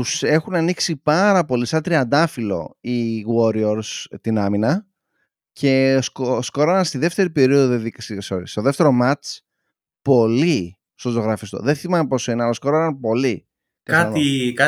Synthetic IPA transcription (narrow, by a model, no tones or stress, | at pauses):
t̪use̞xunɐniksipɐɾɐpo̞lisɐnt̪ɾiɐnd̪ɐfilo̞̰iɣo̞ɾioɾst̪inɐminɐ | cʰe̞sksko̞ɾɐnɐnst̪iðe̞ft̪e̞ɾipe̞ɾio̞ðoðeðikssoɾist̪oðe̞ft̪e̞ɾo̞mɐt͡s | po̞li | st̪ot̪o̞ɣɾɐfist̪o̰ðenθimɐnpo̞sineɐlɐosko̞ɾɐnɐnpo̞li | kɐɐnikɐ